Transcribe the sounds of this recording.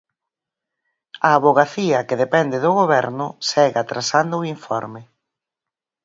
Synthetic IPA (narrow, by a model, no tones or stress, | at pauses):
ɐːβoɣaθiɐkeðepɛnd̪eðoɣoβɛɾnʊsɛɣat̪ɾasand̪ʊiɱfɔ̰ɾmɪ